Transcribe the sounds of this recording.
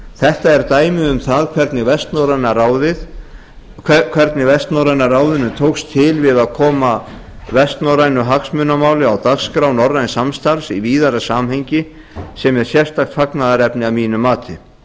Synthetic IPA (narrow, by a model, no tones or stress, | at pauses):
θɛht̪aɛɾt̪aːjmɪðʏmθaðkʰvɛɾt̪nɪvɛst̪nɔɾajnaraːwðɪð | kʰvɛɾt̪nɪvɛst̪nɔwɾajnaraːwðɪnʏt̪ʰowkst̪ʰɪlvɪðaðkʰɔːma | vɛst̪nɔɾajnʏɦaksmʏnːamaːwlɪawt̪akskɾawnɔrːajnsamst̪aɾsiviːðaɾasaːmhejɲcɪ | sɛmɛɾ̥sjɛr̥t̪axt̪faknaðaɾɛpnɪavmiːnʏmːaːt̪ʰɪ